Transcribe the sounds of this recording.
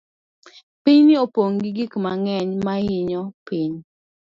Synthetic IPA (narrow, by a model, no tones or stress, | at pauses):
piɲnɪopoŋɡiɡikmaŋɛɲmaɪɲɔpiɲ